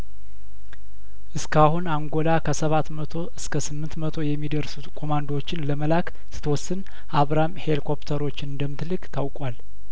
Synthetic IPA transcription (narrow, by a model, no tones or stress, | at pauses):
ʔɨskʰahunaŋɡo̞lakʰəsəβat̪mət̪ʰo̞ʔɨskʰəsɨmːɨnt̪mət̪ʰo̞jɛmːid̪əɾsut̪kʰo̞mand̪ot͡ʃːɪnləməlak | sɨ̥t̪ʰwɔsːɨn | ʔaβɾamhelkʰo̞pt̪ʰəɾo̞t͡ʃːɪnɨnd̪əmːɨt̪lɨɡt̪ʰawkʼwal